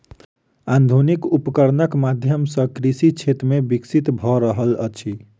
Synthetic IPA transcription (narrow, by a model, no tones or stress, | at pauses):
and̪ʱunikupkəɾnəkmad̪ʱjəmsə̃kɾisit͡ʃʰet̪mebiksit̪bʱɔɾəɦələ̰t͡ʃʰi